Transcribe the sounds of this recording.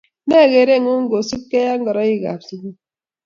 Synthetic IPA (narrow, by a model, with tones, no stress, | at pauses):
ne˦˨ɣe˨ɾe˦˨ŋu˦ŋ̩˦ɡo˨su˦kːe˦ja˦ŋ̩˦ɡɔ˨ɾɔ˦i˦ɣa̰˨psi˦ɡu˦